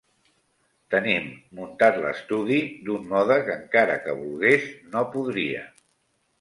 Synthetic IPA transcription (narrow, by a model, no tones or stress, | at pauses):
t̪ənimːunt̪at̪lə̰st̪uðid̪unːɔðəkəŋkaɾə̰kəβulˠɣeznopuðɾiə̰